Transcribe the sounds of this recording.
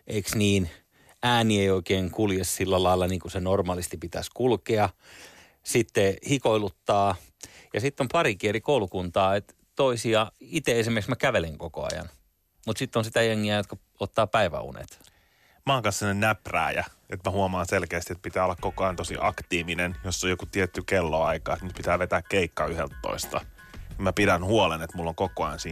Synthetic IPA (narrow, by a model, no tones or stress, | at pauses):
ʔeiksniːn | æːnieioikeːŋkuljessilːælɑilːɑniːŋkusenormɑːlist̪ipit̪æ̰skulkeɑ | sit̪ːehikoilut̪ːɑː | jɑsit̪ːompɑrikierikoulukunt̪ɑːet̪ | t̪oisiɑit̪eesimerksmækæʋeleŋkoko̰ɑ̰jɑ̰n | mut̪sit̪ːonsit̪æjeŋːiæjot̪kɑ | ot̪ːɑːpæiʋæ̰ṵnḛt̪ | mɑːkɑssenːennæpræ̰ːjæ̰ | et̪mæhuomɑːnselkeæst̪iet̪̚pit̪æːolːɑkkokoɑjɑnt̪osḭʔɑkt̪iːʋinenjosːojokut̪iɛt̪ːykelːoɑikɑ̰ːet̪nyt̪̚pit̪æːʋet̪æːkkeikːɑyhelt̪to̰ist̪ɑ | kumæpidænhuolenet̪mulːoŋkokoɑjɑnsiː